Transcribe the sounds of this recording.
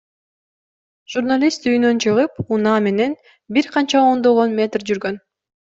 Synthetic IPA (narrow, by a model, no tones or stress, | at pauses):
ʒ̥urnalʲist̪yjynø̞nt͡ʃʰɯʁɯpunɑːme̞ne̞n | biɾqʰɑnt͡ʃɑo̞nd̪o̞ʁo̞nmʲe̞t̪rd͡ʒyɾɡø̞n